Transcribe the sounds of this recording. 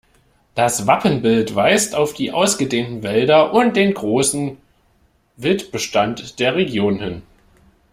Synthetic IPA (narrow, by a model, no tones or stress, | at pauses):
d̥asv̥apənbɪltv̥aɪstaʊfd̥iːʔaʊsɡ̥ədeːntn̩vɛldɐʔʊnt̚d̥eːnɡʁoːsn̩ | vɪltb̥əʃtantd̥eːɐʁeɡjoːnhɪn